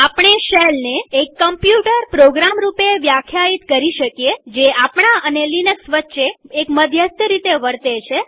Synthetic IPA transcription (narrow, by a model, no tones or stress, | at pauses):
apɳ̃eʃelneːkːəmpjuʈəɾpɾoɡɾamɾupeʋjakʰjait̪kəɾiʃəkjed͡ʒeapɳaənelinəksʋətːʃeːkməd̪ʱjəst̪əɾit̪eʋəɾt̪et͡ʃʰe